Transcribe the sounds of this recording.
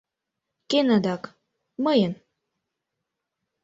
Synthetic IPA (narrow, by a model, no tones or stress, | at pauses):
kenad̪ɑk | məjən